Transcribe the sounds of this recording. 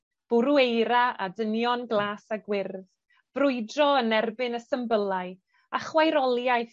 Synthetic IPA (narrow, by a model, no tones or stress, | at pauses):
b̥ʊɾuejɾaʔa̰dənjɔnɡlˠaːsaɡwɪrð | vrʊɨdrɔənɛrbɨnəsəmbəlˠaɨ | aχwajɾɔlˠjaj